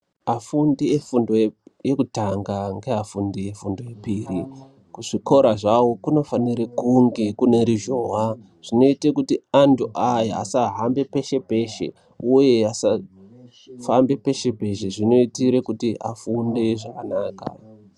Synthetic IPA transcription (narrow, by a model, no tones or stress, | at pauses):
afundiefundo̞jejekutaŋɡaŋɡe̞ɦafundije̞fundo̞jepiːri | kuʐ̥iko̞ɾaʐawokuno̞faniɾekuŋɡe̞kuneɾiʒoɦa | ʐ̥ino̞itekutiantʰuʔajaa̰saɦambe̞pe̞ʃe̞pe̞ʃe̞̰ | uje̞asa | fambe̞pe̞ʃe̞pe̞ʃe̞ʐino̞itiɾekutiʔa̰fundeʐakanaːka̰